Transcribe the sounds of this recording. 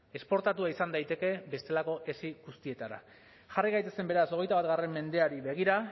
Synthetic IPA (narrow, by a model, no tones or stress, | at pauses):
e̞spo̞ɾt̪at̪uaisand̪ajt̪e̞ke̞be̞st̪e̞lako̞ʔe̞siɣust̪ie̞t̪aɾa̰ | ʝariɣajt̪e̞se̞mbe̞ɾaso̞ɣ̞e̞jt̪aβat̪ɣare̞mːe̞nd̪e̞aɾiβe̞ɣ̞iɾa